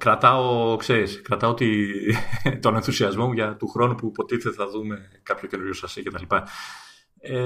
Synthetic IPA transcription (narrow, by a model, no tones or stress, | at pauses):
kɾɐt̪ɐo̞kse̞ɾiskɾɐt̪ɐot̪i | t̪o̞ne̞nθusiɐzmo̞muʝɐt̪uxɾo̞nupupo̞t̪iθe̞t̪eθɐðume̞kɐpço̞ce̞nuɾʝosɐsice̞t̪ɐlipɐ | e